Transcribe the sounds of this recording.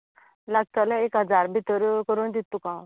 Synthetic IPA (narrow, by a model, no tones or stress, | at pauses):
laɡ̚t̪aləekɦəd͡zaɾbʱit̪əɾkəɾuːnd̪it̪ukã